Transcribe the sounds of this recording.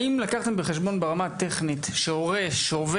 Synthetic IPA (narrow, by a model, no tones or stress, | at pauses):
imlakaχte̞mbeχeʃbo̞nbeʁamat̪e̞χnitʃeoʁeʃeove